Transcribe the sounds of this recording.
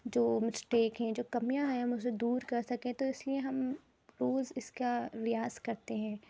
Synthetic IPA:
d͡ʒoːmɪsʈeːkɦɛ̃d͡ʒoːkɐmijaɦɛɦɐmʊsed̪uːɾkɐɾsɐkẽt̪oɪslieɦɐm | ɾoːzɪskaɾɪjaːzkɐɾt̪eɦɛ̃ː

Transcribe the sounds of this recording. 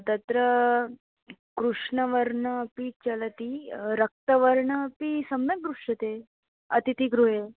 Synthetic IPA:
t̪ɐt̪ɾə | kɾuʂɳəʋəɾɳəpit͡ɕɐlt̪iɾək̚t̪əʋəɾɳəpisəmnək̚d̪ɾuʂət̪e | ɐt̪it̪iɡɾuɦe

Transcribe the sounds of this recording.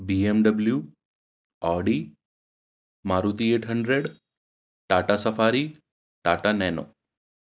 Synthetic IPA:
biemɖəblju | aɽi | maɾut̪ieʈʰɦəɳɖɾeɽ | ʈaʈasəfaɾi | ʈaʈanɛno̰

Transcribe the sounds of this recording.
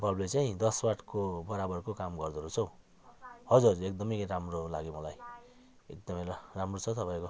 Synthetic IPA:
bʱʌblet͡saĩd̪ʌswaʈʰkobʌɾabʌrkokamɡʌrd̪ʌɾut͡sʰʌw̃ | hʌd͡zurekd̪ʌmʌjkɾamrolaɡemʌlaj | ek̚d̪ʌmʌjramrot͡sʰʌt̪ʌpajko

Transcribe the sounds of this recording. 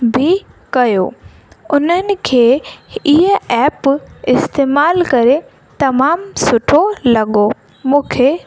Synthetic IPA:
bʱɪ | kɐjo | ʊnənɪ̆kʰeːɪɦə̃ɛːpɪst̪eːmaːlkɐɾe | t̪ɐmaːmsʊʈʰolɐɠo | mũːkʰe

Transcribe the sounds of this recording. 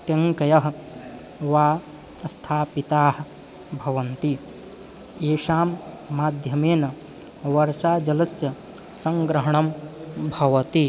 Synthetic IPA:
ʈɐŋkɐjɐɦ | ʋaː | ɐst̪ʰaːpit̪aːh | bʱɐʋɐnt̪i | eːʃaːmːaːd̪ʱjɐmeːnɐ | ʋɐɾʃaːd͡ʒɐlɐsjɐ | sɐŋɡɾɐɦɐɳɐmbʱɐʋɐt̪i

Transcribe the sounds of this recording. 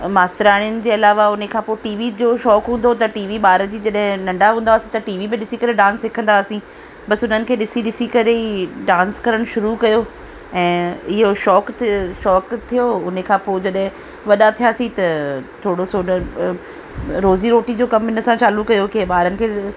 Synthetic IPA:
maːst̪ɪɾaːɽ̃ijʊnɪ̆d͡ʑeːɐlaːʋaʊn̤ekʰãːpoːɪʈiːʋid͡ʑoʃɔːkɦũːnd̪ot̪ɐʈiːʋiɓaːɾəd͡ʑiːd͡ʑɐɗɦɪ̃nɐ̃ɳɖaɦũːnd̪aːsĩt̪ɐʈiːʋimẽɗɪsikɐɾeɖãːnsekʰə̃nd̪aːsĩː | ɓɐsʊn̤ənɪ̆kʰeːɗɪsiɗɪsikɐɾeiɖãːnskɐɾəɽ̃ʃʊɾukɐjo | ɛ̃ːɪɦoʃɔːkʃɔːkt̪ʰijoʊn̤əkʰãːpoːd͡ʑɐɗɦɪ̃ | ʋɐɗat̪ʰijaːsĩt̪ɐt̪ʰoːɽosonə | ɾoːziɾoːʈid͡ʑoːkɐmɪ̃nə̆sãt͡ɕaːlukɐjokeɓaːɾənɪ̆kʰeː

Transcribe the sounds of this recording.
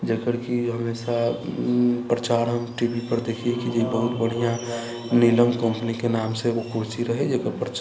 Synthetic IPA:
d͡ʒəkəɾkiɦɐmeːsa | pɾət͡ʃaːɾɦəmʈibipəɾd̪eːkʰiekid͡ʒoibəɦʊt̪bəɽ̤ijã | niləmkə̃mpənikenaːmseʋokoːt͡ʃiɾəɦed͡ʒəkəɾpɾət͡ʃ

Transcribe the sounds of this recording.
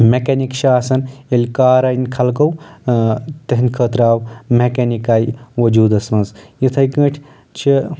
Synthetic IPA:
mekenikʃaːsɐnelʲkaːɾɐnʲkʰɐlkɐw | t̪ɐɦinʲkʰəːt̪ɾaːwmekenikaːjʋɐd͡ʒuːd̪ɐsmɐnzjit̪ʰɐjkə̃ːʈʰʲ | t͡ʃʰi

